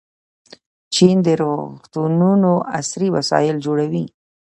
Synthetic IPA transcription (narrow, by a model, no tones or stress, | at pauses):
t͡ʃind̪əɾoxt̪ununoʔa̰sɾiwa̰sɑ̰jɪld͡ʒoɽawi